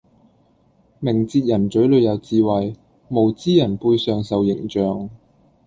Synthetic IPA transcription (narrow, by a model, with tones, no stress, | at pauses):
mɪ˨˩ŋt͡siː˧t̚jɐ˨˩nt͡ʃɵ˨˥ɥlɵ˨˧jɐ˨˧wt͡siː˧wɐ˨˩j | mo˨˩wt͡siː˥jɐ˨˩npuː˧jsœː˨ŋsɐ˨wjɪ˨˩ŋt͡ʃœː˨ŋ